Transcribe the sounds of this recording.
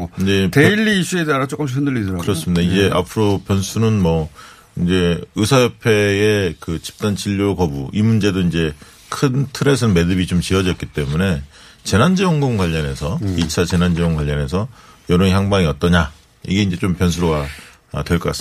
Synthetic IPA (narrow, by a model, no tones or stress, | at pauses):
ind͡ʑe̞teiʎːiːsʰuedeaɾat͡ɕ͈ok͈ɯmɕ̬ʰikʰɯndɯɭːidɾakɯɾʌs͈ɯmidaid͡ʑeʔa̰pʰɯɾopjʌnsʰunɯnmʌ | ind͡ʑe̞ɯsʰajʌpʰe̞ːkɯt͡ɕi̥p̚t͈ant͡ɕiʎːoɭkʌbuʔimund͡ʑe̞doind͡ʑe̞ | kʰɯntʰɯɾe̞s̬ʰɯnme̞dɯbit͡ɕomt͡ɕiʌd͡ʑʌk͈̚it͈e̞mune̞ | t͡ɕe̞nand͡ʑijʌŋɡoŋɡwaʎːʌne̞sʰʌit͡ɕʰat͡ɕe̞nand͡ʑijʌŋɡwaʎːʌne̞s̬ʰʌjʌɾoŋiçjaŋbaŋiʌt͈̚ʌɲa | ḭɡe̞ind͡ʑe̞t͡ɕompjʌnsʰuɾoɡa | ʌ̰twe̞ɭk͈ʌk͈as